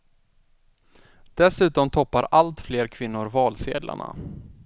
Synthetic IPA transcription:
d̪̥ɛsʉ̟ːt̪ɔmt̪ʰɔpːaɾalt̪fleːɾkʰvɪnːʊɾvɑːlsḛːd̪la̰ɳa̰

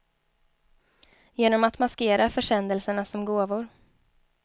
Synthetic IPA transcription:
jeːnɔmat̪maskeːɾafœʂɛnd̪əlsəɳasɔmɡoːvʊɾ

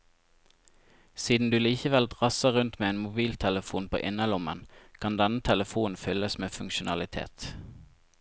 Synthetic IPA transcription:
siːd̪n̩d̪ʉːliːçəʋɛld̪ʁɑsəʁʉnt̪meːeːnmʊbiːlt̪ʰɛləfuːnpʰo̰ːʔɪnəlʊmə̰nkʰɑnd̪ɛnət̪ʰɛləfuːn̩fʏləsmeːfʉŋkʃʊnɑlɪt̪ʰḛːt̪

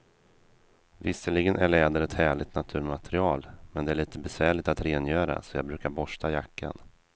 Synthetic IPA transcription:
vɪsːəɭɪɡənʔæɭɛːd̪əɾɛt̪hæːɭɪɡt̪nat̪ʰʉ̟ːɾmat̪ɾɪɑːlmɛnd̪ɛæɭiːt̪əbɛsvæːɭɪɡ̚t̪at̪ɾeːnjœːɾa̰sɔjɑːɡ̚bɾʉ̟ːkaɾbɔʂʈ̪ajakːa̰n

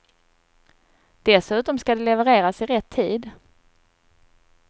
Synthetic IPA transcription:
d̪̥ɛsʉ̟ːt̪ɔmskad̪ɛlɛvɛɾeːɾasɪɾɛt̪ʰːiːd̪

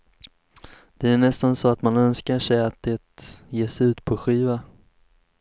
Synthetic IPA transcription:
d̪̥ɛæɳɛst̪ansɔat̪manœnskaʂɛjat̪̚d̪ɛt̪jeːsɛʉ̟ːt̪pʰɔɧiːva

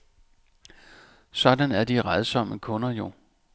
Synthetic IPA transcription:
sɒ̽d̥ænæɐd̥iʁaðˠsɒ̽m̰əkʰɔ̽nɐjo̝

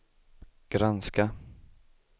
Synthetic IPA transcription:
ɡ̥ɾanska

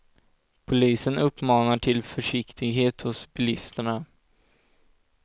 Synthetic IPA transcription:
pʰʊliːsənɵpːmɑːnaʈʰɪlfœʂɪkt̪ʰɪɡɦeːt̪hʊsbɪlɪst̪əɳa

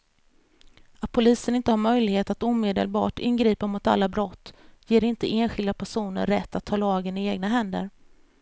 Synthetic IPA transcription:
at̪̚pʰʊliːsənɪnt̪əhaɾmœjlɪɡheːt̪at̪uːmeːd̪ə̰lbɑ̰ːʈɪ̰nːɡɾiːpamʊt̪a̰lːabɾɔt̪ːjeːɾɪnt̪əʔeːnɧɪld̪apʰæʂuːnə̰ɾːɛt̪ʰːat̪ʰːɑːlɑːɡənɪeːɡnaɦɛnd̪ə̰ɾ

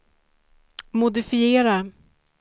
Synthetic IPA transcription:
mʊd̪ɪfɪeːɾa

